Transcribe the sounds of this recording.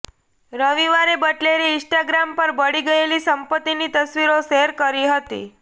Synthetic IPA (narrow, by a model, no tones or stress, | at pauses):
ɾəʋiʋaɾebəʈleɾiɪ̃sʈaɡɾampəɾbəɽiɡəelisəmpət̪ːinit̪əsʋiɾoseɾkəɾiɦət̪ḭ